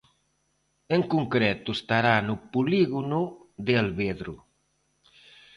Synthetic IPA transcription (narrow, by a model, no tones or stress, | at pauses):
eŋkuŋkɾɛt̪ust̪aɾanupuliɣunuðealβeðɾu